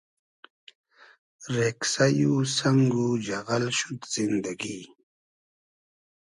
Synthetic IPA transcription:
ɾeksajusaŋɡud͡ʒaɣalʃut̪z̥ind̪aɡi

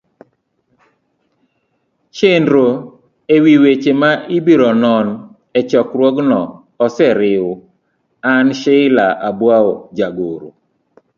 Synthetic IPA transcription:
t͡ʃendɾo | ewiwet͡ʃemaibiɾɔnɔn | ɛt͡ʃɔkɾwɔɡnɔː | sɛɾɪʊ | anʃeɪlaʔabwaod͡ʒaɡoɾo̰

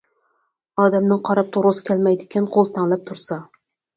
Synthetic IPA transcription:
ɒːd̪amnɪŋqʰɑɾap̚t̪ʰoɾoskʲalmajd̪ɪkʲʰɪnqʰolˠt̪ʰaŋlˠap̚t̪ʰʊɾsa

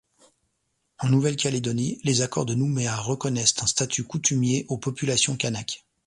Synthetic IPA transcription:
ɑ̃nuvɛlkʲaled̪ɔnilezakɔʁd̪ənumeaʁəkɔnɛst̪ɛ̃st̪at̪ʰykut̪ymjeʔopɔpylasjɔ̃kʲanak

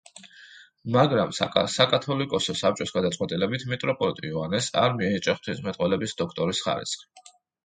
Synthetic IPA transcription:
maɡɾamsakʼat̪ʰɔlikʼɔsɔsap̚t͡ʃʼɔsɡad̪at̪sʼwɛt̪ʼilɛbit̪ʰmit̪ʼɾɔpʼɔlit̪ʼiuanɛsa̰ɾmiɛit͡ʃʼɛχt̪ʰismɛt̪ʼwɛlɛbisd̪ɔkʰt̪ʼɔɾisχa̰ɾḭsχi̥

